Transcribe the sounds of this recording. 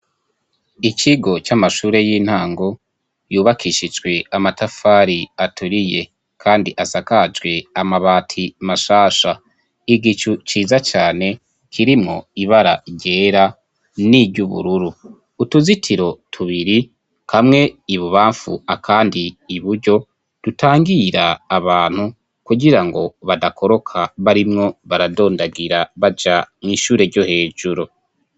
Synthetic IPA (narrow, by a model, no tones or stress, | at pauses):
it͡ʃiɡo̞t͡ʃamaʃuːɾe̞jiːn̥haːŋɡo̞ | juːβakʰiʃid͡ʒɡwe̞amatafaːɾiatʰuɾije̞ | kʰaːndiʔasakad͡ʒɡwe̞amaβaːtʰimaʃaːʃa | iɡit͡ʃut͡ʃiːzat͡ʃaːne̞ | kʰiɾimŋo̞̰iβaɾa̰ɾɟe̞ːɾa | nibɟuβṵɾuɾuː | tuzitʰiɾo̞tʰuβiɾi | kʰamŋe̞iβuβaːɱfṵakʰaːndiːβuɾɟo̞ | d̥utʰaːŋɡiɾaːβaːn̥hu | kuɡiɾaŋɡo̞βadakʰo̞ɾo̞kʰaβaɾimŋo̞βaɾado̞ːndaɡiɾaβad͡ʒamŋiːʃuːɾe̞ɾɟo̞he̞ːd͡ʒuɾo